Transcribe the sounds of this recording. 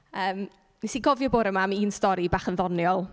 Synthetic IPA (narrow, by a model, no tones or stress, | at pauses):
əːm | nisiɡɔvjɔboːɾəmamiːnstɔɾibaːχənðɔnjɔlˠ